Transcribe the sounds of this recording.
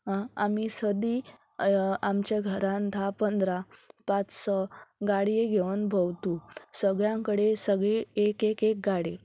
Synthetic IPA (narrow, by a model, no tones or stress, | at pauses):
ɦãamisəd̪i | amt͡ɕjaɡʱəɾãnt̪ʰapənd̪ɾapat͡ssɔɡaɽijeɡʱeʋənbʱəwt̪usəɡɭjãkəɽesəɡɭiekekek̚ɡaɽi